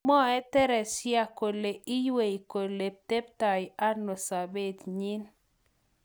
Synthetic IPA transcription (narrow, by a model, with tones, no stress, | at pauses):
mɔ˦ɛ˦tɛ˦ɾɛ˨sja˦ko˨le˨ʔi˦jwe˨i˨ko˨le˨p̚t̪e˦pta˨ɪ˨ʔa˦no˨sa˨be˦˨t̪ɲi˦n